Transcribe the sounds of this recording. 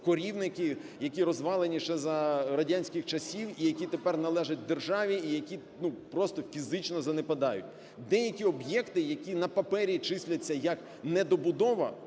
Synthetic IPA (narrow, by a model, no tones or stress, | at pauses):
kɔɾʲiwnɪkʲɪjɐkʲiɾɔzʋɑlˠenʲiʃɛzɐɾɐdʲanʲsʲkɪxt͡ʃɐsʲiwijɐkʲit̪epɛrnɐlˠɛʒɐt̚ʲd̪erʒɑʋʲiːjɐkʲi | nupɾɔst̪ɔfʲizɪt͡ʃnɔzɐnepɐd̪ɑjʊ̰tʲ | d̪ɛjɐkʲiɔbjɛkt̪ɪjɐkʲinɐpɐpɛɾʲit͡ʃɪsʲlʲɐt͡sʲːɐjɐk | nɛd̪ɔbʊd̪ɔʋɐ̰